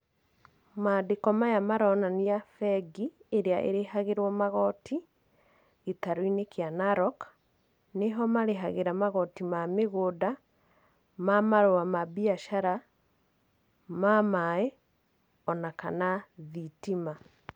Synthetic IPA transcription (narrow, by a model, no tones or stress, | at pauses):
maːdekɔmajamaɾɔnaniafɛɡieɾeaʔḛɾeɦaɣeɾwɔmaɣɔtʰi | etaɾoinekeanaɾɔk | neɦɔmaɾeɦaɣeɾamaɣɔtimameɣoda | mamaɾoamabiaʃaɾa | mamae | ɔnaka̰naðitima